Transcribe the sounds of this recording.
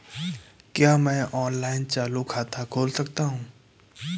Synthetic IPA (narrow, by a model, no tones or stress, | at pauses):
kjaːmɛ̃ːʔɔːnlaːɪnt͡ʃaːlukʰaːt̪ʰakʰoːlsɐkt̪aɦũː